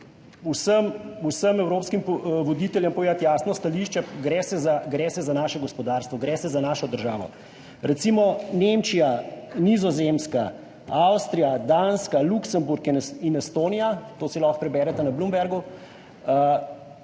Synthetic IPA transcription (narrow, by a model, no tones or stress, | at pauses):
usəmusəmɛwɾoːpskimpʋɔd̪iːt̪ɛljəmpɔeat̪jaːsnɔst̪aliʃt͡ʃɛɡɾɛːsɛzaɡɾɛːsɛzanaːʃɛɡɔspɔd̪aːɾst̪ʋɔɡɾɛːsɛzanaːʃɔd̪əɾʒaːʋɔ̰ | ɾɛt̪simɔnemt͡ʃijanizɔzemska | awst̪ɾijad̪anskaluksəmbuɾkininɛst̪oːnijat̪oːsilɔxpɾɛbɛːɾɛt̪anablumbɛɾɡu